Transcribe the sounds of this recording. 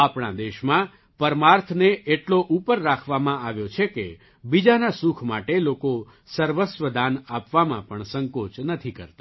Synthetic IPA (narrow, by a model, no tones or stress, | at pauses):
apɳa̰d̪eʃmã | pəɾmaɾt̪ʰneeʈloʔupəɾːakʰʋamãaʋjot͡ʃʰekḛ | bid͡ʒanasukʰmaʈeloko | səɾʋəsʋəd̪ʱanapʋamã̰pəɳsəŋkot͡ʃnət̪ʰikəɾt̪a